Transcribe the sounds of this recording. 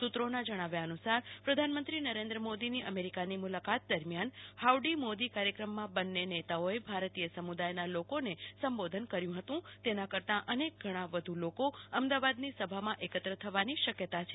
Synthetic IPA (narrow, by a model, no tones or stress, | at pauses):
sut̪ɾonad͡ʒəɽ̃aʋjaənusaɾpɾəd̪ʱanmə̃nt̪ɾinəɾẽnd̪ɾəmod̪iniʔəmeɾikanimulakat̪̚d̪əɾmjanhawɖimod̪ikaɾjəkɾəmːãbənːenet̪aoebʱaɾt̪ijəsəmud̪ajnalokonesəmbod̪ʱənkəɾjũɦət̪ũt̪enãkəɾt̪ãʔənek̚ɡʱəɽ̃ãʋəd̪ʱulokoəmd̪aʋad̪nisəbʱamãʔekət̪ɾət̪ʰəʋaniʃəkjət̪at͡ʃʰe̥